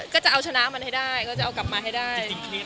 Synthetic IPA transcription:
kaː˨˦˥t͡ɕa̰˧˨wt͡ɕɔ˧˦naː˨˦maː˨˩ntʰa˨˦jɗaː˧˩jkaː˧˦t͡ɕa̰ː˧˩wka˨˩˦maː˨˩ha˨˦jɗaː˧j

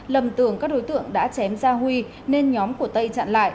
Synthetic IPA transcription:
lə˨˩mt̪ɨ˧˩əŋkaː˦˥k̚ɗo˨˦jt̪ɨ̰˧˨əŋɗa̰ː˧˥t͡ɕɛ˨˦mzaː˧ɦwi˧ | ne˧nɲɔ˨˦mku˧˩ət̪ə˧jt͡ɕa̰ː˧˨nla̰ː˧˨jʔ

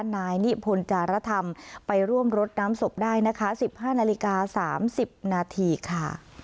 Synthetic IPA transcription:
naː˧jni˦˥pʰo˧nt͡ɕaː˧ɾa˦˥t̪ʰa˧mpa˧jɾu˥˩əmɾo˦˥t̪̚naː˦˥mso˨˩p̚daː˥˩jna˦˥kʰa˦˥si˨˩p̚haː˥˩naː˧li˦˥kaː˧saː˩˦msi˨˩p̚naː˧t̪ʰiː˧kʰa˥˩

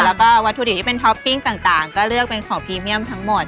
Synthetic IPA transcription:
lɛ˦˥kɔː˥˩wa˧˦t̪ʰːu˧i˨˩t̪ʰiː˧e˧˨nt̪ʰɔ˦˥pːi˥˩ŋt̪aː˨˩ŋt̪aː˨˩ŋkɔː˥˩lɯ˥˩ək̚pe˧nkʰɔː˩˦ŋpʰiː˧mi˥˩əmt̪ʰa˦˥ŋmo˨˩t̪̚

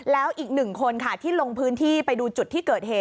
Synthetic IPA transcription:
lɛː˦˥wʔiː˨˩k̚nɯ˨˩ŋkʰo˧nkʰa˦˥˩t̪ʰiː˥˩lo˧ŋpʰɯː˦˥nt̪ʰiː˥˩pa˧jduː˧t͡ɕu˨˩t̪ʰːiː˥˩kɤː˨˩t̪̚heː˨˩t̚

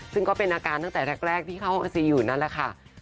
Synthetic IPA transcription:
sɯ˥˩ŋkɔː˥˩pe˧nʔaː˧kaː˧nt̪a˥˩ŋt̪ɛː˨˩ɾʰɛ˦˥k̚ɾɛː˥˩k̚t̪ʰiː˥˩kʰa˦˥˩wa˧nsi˧juː˨˩na˦˥nlɛ˨˩kʰa˥˩

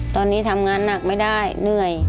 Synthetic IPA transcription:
t̪ɔː˧nːiː˦˥t̪ʰa˧mŋaː˧nːa˨˩k̚ma˥˩jda˥˩jnɯ˧˩əj

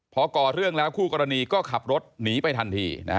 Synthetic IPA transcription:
pʰɔː˧kɔː˨˩ɾɯ˥˩əŋlɛː˦˥wkʰuː˥˩kɔː˧ɾa˧niː˧kɔː˥˩kʰa˨˩p̚ɾo˦˥t̪̚niː˩˦pa˧jt̪ʰa˧nt̪ʰḭː˧na̰˦˥

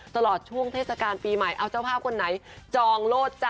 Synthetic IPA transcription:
t̪a˧lɔː˨˩t̪̚t͡ɕʰu˥˩əŋt̪ʰeː˥˩t̪sa˧kaː˧npiː˧ma˨˩jʔa˧wt͡ɕa˥˩wpʰaː˥˩kʰo˧nːa˦jt͡ɕɔː˧ŋloː˥˩t̪̚t͡ɕa˧

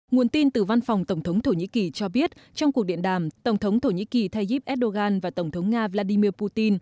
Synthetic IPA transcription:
ŋu˨˩ənt̪i˧nt̪ɨ˨˩va˧nfa˨˩wŋ͡mt̪ə˧˩wŋ͡mt̪ʰə˨˦wŋ͡mt̪ʰo˧˩ɲḭ˧˥ki˨˩t͡ɕɔ˧ɓi˦˥ət̚t͡ɕɔ˧wŋ͡mku˨˩əɗḭ˧˨ənɗaː˧˩mt̪ə˧˩wŋ͡mt̪ʰə˨˦wŋ͡mt̪ʰo˧˩ɲḭ˧˥ki˨˩t̪ʰa˧jzi˦˥p̚ʔɛ˦˥t̚ɗo˧ɣaː˧nvaː˨˩t̪ə˧˩wŋ͡mt̪ə˨˦wŋ͡mŋaː˧vlaː˧ɗi˧mi˧əpu˧t̪i˧n

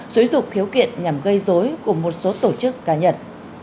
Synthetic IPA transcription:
zo˨˦zʊ̰˧˨ŋ͡m̚xi˨˦wkḭ˧˨ənɲa˨˩mɣə˧jzo˨˦jku˧˩əmo˨˩t̚so˨˦t̪o˧˩t͡ɕɨ˦˥kːaː˨˦ɲə˧˩n

